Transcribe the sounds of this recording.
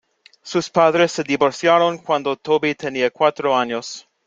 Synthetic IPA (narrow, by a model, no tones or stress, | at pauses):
suspaðɾesːed̪iboɾsjaɾonkwand̪ot̪obit̪ʰeniakwat̪ɾoaɲos